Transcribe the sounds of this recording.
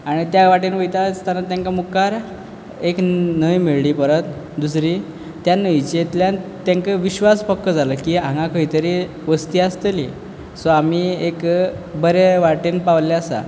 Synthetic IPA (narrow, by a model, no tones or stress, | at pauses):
aɽ̃it̪jaʋaʈinʋəjt̪ast̪anːat̪jãŋkamukaɾ | eknəjmiɭliːpəɾət̪ | d̪us̬ɾiː | t̪janəjt͡ɕet̪ljant̪jaŋkəʋiɕʋaspəkːəd͡zaləkiːãŋɡãkəɦit̪əɾi | ʋəst̪iːast̪əlḭ | sɔamiek | bəɾeʋaʈinpaʋlaasa̰